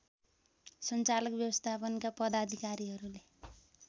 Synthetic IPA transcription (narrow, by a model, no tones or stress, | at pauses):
sʌnt͡salʌkbjʌbʌst̪ʰapʌnkapʌd̪ad̪ʱikaɾiɦʌɾule